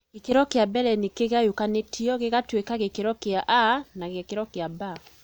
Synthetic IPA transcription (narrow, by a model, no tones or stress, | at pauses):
ɡekeɾɔkeabɛɾɛnekeɣajukanetʰiɔɣeɣatwekaɣekeɾɔkeaʔanaɣekeɾɔkeaba